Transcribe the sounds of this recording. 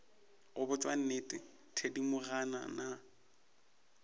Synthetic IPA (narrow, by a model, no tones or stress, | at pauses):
ɣʊbʊt͡ʃʼwan̩netʼɪ | tʰedimʊɣana̰na